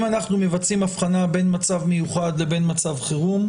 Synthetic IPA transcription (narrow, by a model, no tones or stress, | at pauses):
manaχnume̞vat͡simafχanabe̞nmat͡savme̞juχadle̞be̞nmat͡savχeʁum